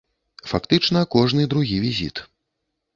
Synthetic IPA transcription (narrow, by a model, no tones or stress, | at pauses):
fakt̪ɨt͡ʂn̪ɐkɔʐnɨd̪ɾuɣʲivʲizʲḭt̪